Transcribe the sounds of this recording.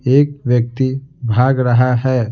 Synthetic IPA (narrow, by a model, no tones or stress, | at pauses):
eːk̚ʋjək̚t̪ibʱaːɡɾəɦaɦɛ